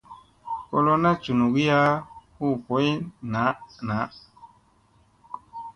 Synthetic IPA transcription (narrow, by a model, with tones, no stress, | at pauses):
ko˦lo˦na˦t͡ʃu˨nu˨ɡi˦ja˦ku˦˨po˨˦i˦na˨˦na˨˦